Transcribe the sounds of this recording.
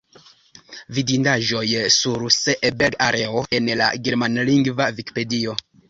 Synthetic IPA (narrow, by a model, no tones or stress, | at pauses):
vidindaʒo̞jsuɾseʔbelɡaɾe̞oe̞nla̰ɡeɾmanliŋɡvaviki̥pe̞dio̞